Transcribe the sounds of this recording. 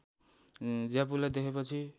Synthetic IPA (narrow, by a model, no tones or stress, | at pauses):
d͡zapulad̪ekʰepʌt͡sʰi